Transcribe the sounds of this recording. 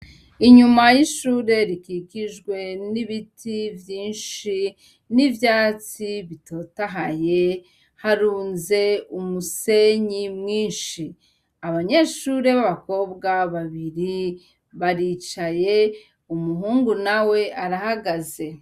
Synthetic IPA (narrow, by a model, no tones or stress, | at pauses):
iɲumajiʃuːɾe̞ɾikikiʒɡwe̞niβitʰivjiːnʃi | nivjaːt͡siβito̞ːtaɦaje̞ | haɾuːnze̞umuse̞ɲimŋiːnʃi | aβaɲe̞ʃuɾe̞βaβako̞bɡaβaβiɾi | βaɾit͡ʃaje̞ | umuɦuːŋɡunawe̞ʔaɾahaɡaze̞